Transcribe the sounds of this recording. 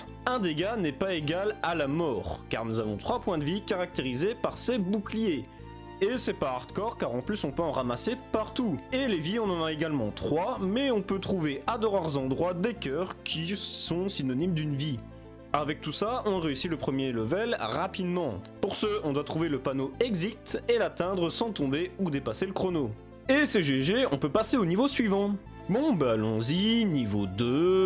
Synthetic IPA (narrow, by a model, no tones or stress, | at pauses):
ɛ̃d̪eɡanɛpaeɡalalamɔːʁka̰ʁnuzavɔ̃t̪χwapwɛ̃d̪əvikaʁak̚t̪eʁizepaʁsebuklijeː | sɛpaaʁt̪kɔʁkaʁɑ̃plysɔ̃pøɑ̃ʁamasepaʁt̪ueleviɔ̃nɑ̃naeɡalmɑ̃t̪χwamɛɔ̃pøt̪χuveʔad̪ɔʁaʁzɑ̃d̪ʁwad̪ekʲœʁkʲʰisɔ̃sinɔnimd̪ynvi | avɛk̚t̪usaʔɔ̃ʁeysiləpχəmjeləvɛlʁapid̪mɑ̃puʁsəɔ̃d̪wat̪χuveləpanoɛɡzikt̪elat̪ɛ̃d̪ʁəsɑ̃t̪ɔ̃beud̪epaseləkχɔno | eseʒeʒeɔ̃pøpaseonivosɥivɑ̃ | bɔ̃balɔ̰̃zinivod̪ø